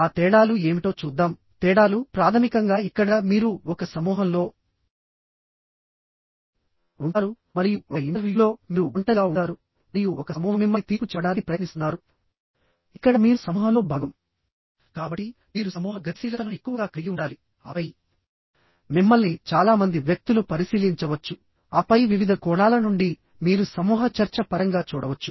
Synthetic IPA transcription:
aːt̪ɛːɽaːlue̞ːmiʈo̞ːt͡ʃuːd̪ːaːm | t̪ɛːɽaːlupɾaːt̪ʰɐmikɐŋɡaːikːɐɽɐmiːɾuɔkɐsɐmuːɦɐmlo̞ː | uɳaːɾu | mɐɾijuɔkɐiɳɐɾʋjilo̞ːmiːuuɳʈɐɡaːuɳɖaːɾu | mɐɾijuʔɔkɐmuːɦɐmimːɐt̪iːɾput͡ʃɛːɽaːnipɾɐjɐnisunaːɾu | ikːɐɽɐmiːɾusɐmuːɦɐlo̞ːbʱaːɡɐm | kaːbɐʈːi | miːɾusɐmuːɦɐɡɐsiːlɐɐnɐekːuʋɐɡaːkɾijiuɳɖaːli | ɐ̰ʋɐj | mimːɐɭnit͡ʃaːlaːmɐnd̪iʋjɐk̚t̪ulupɐɾisiːliɲt͡ʃɐʋɐt͡ʃːu | ɐpɐjʋiʋid̪ʱɐkɔːɳaːlɐnuɳɖi | miːɾusɐmuːɦɐt͡ʃɐɾt͡ʃɐpɐɾɐŋɡaːt͡ʃuːɽɐʋɐt͡ʃːu̥

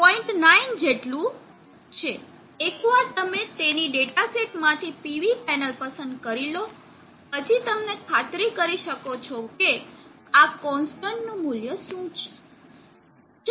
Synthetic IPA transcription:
pɔiɳʈnaind͡ʒeʈlũ | t͡ʃʰeː | kʋaɾt̪əmet̪eniɖeʈaseʈmãt̪ʰipiʋipɛnəlpəsənd̪kəɾilo | ɦəd͡ʒit̪əmnekʰat̪ɾikəɾiʃəkot͡ʃʰoke | akɔ̃nsʈəɳʈnũmuljəʃũt͡ʃʰe̥

